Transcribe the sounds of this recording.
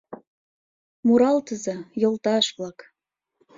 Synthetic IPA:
muɾɑlt̪əzɤjolˠt̪ɑʃβlɑk

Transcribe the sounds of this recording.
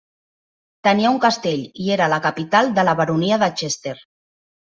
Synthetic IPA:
t̪əniəuŋkəst̪eʎieɾələkapit̪alˠd̪ələβəɾuniəðət͡ʃest̪eɾ

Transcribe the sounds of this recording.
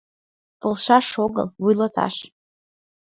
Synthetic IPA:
pʰʼɨlˠʃʷaʂoɡa̰lwilatʰa̰ʃ

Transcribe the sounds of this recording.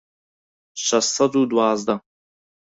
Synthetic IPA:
ʃɐsːɐd̪uːd̪waːzd̪ɐ

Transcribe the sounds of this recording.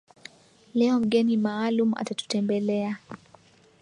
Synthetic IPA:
lɛɔm̩ɠɛnimaːlum̩a̰tatu̥tɛmbɛlɛa

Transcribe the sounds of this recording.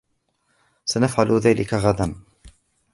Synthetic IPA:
sanafʕalʊðaːlʔɪkaɣad̪am

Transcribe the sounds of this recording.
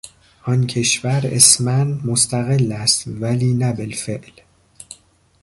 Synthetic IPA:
ʔɒːncʰe̞ʃvæɾḛsmænmost̪ʰæɣelːæst̪væliːnæbelfeʔl

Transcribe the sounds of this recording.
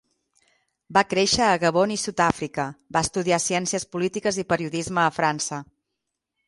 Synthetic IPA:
bakɾeʃəːɣəβ̞onisut̪afɾikəbast̪uðiasiɛnsiəspulit̪ikəzipəɾiuðizməːfɾansə

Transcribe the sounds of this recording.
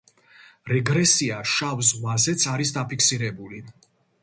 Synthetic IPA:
ɾɛɡɾɛsiaʃavzʁwazɛt̪sʰaɾisd̪apʰikʰsiɾɛbuli

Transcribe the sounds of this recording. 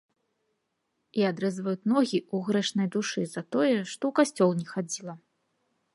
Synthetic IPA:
iad̪ɾɛzvɐjut͡sʲn̪ɔɣʲiuɣɾɛʂnɐjd̪uʂɨzɐt̪ɔjɛʂt̪ɔwkasʲt͡sʲɔlˠnʲɛxad͡zʲilˠɐ

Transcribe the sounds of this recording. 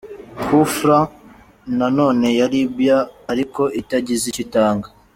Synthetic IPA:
kʰufɾa | nano̞ːne̞jalibjaːɾiko̞ʔitaɟizicitaːŋɡa

